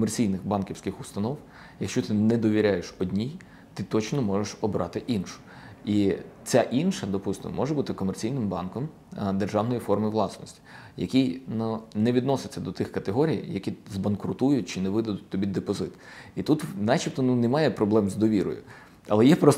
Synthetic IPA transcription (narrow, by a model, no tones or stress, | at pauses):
kɔmert͡sʲijnɪxbɑnkʲiwsʲkɪxʊst̪ɐnɔw | jɐkʃt͡ʃɔt̪ɪnɛd̪ɔʋʲiɾʲajeʃɔdʲnʲij | t̪ɪt̪ɔt͡ʃnɔmɔʒeʃɔbɾʔɑ̰t̪ɪʔinʃʊ̥ | it͡sʲaʔinʃɐd̪ɔpust̪ɪ̰m̰mɔʒɛbut̪ɪkɔmɛrt͡sʲijnɪmbɑnkɔm | d̪erʒɑwnɔjifɔrmɪʋlˠɑsnɔsʲtʲi̥ | jɐ̰kʲijnunɛʋʲid̪nɔsɪt͡sʲːɐd̪ɔt̪ɪxkɐt̪eɦɔɾʲijjɐkʲizbɐnkɾʊt̪ujʊtʲt͡ʃɪnɛʋɪd̪ɐd̪ʊt̚ʲt̪ɔbʲid̪epɔzɪt̪it̪ut̪nat͡ʃʲip̚t̪ɔnunɛmɑjɛpɾɔblˠɛmzd̪ɔʋʲiɾɔ̰jʊ̰ | ɐlˠɛjɛpɾɔs